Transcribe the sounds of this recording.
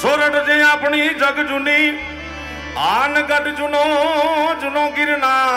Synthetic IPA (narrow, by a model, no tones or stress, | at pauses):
t͡ʃʰoːɾəɖd͡ʒẽːapɳiːd͡ʒəɡd͡ʒʊniː | aːnɡəɖd͡ʒʊnõːd͡ʒʊnõːɡɪɾnaː